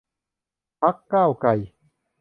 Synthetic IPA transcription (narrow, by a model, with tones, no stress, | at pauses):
pʰa˦˥kːaː˥˩wka˨˩j